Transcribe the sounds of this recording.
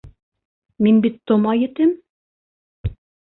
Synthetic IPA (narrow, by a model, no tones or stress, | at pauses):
minbit̪ːomɑjɘ̆t̪ɘm